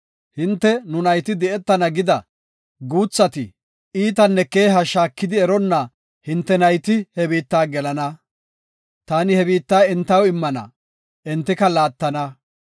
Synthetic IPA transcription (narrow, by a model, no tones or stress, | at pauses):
hɪnt̪ːɛnʊnɐjt̪ɪd̪ɛɛt̪ːɐnɐɡɪd̪ɐ | ɡuːt͡sːɐt̪ɪ | iːt̪̬ɐnːɛkeːɦɐʃaːkːɪd̪ɪɛɾɔnːɐ | hɪnt̪ːɛnɐjt̪ɪhɛbiːt̪ːaːɡɛlɐnɐ | t̪aːnɪhɛbiːt̪ːaːɛnt̪ːɐwɪmːɐnɐ̰ | ʔɛnt̪ːɪkɐlaːt̪ːɐnɐ